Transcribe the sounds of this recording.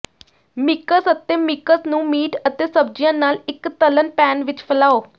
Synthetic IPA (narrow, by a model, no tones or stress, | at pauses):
mɪkəsət̪eːmɪkəsnũːmiːʈət̪eːsəb̚d͡ʒijãːnaːlɪkt̪ələnpɛːnʋɪt͡ʃpʰəlaːoː